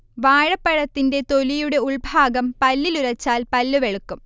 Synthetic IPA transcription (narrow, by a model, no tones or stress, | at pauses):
ʋaːɻɐpːɐɻɐt̪ːinde̞t̪o̞lijuɽe̞uɭbʱaːɡɐmpɐlːiluɾɐt͡ɕːaːlpɐlːuʋeɭukːum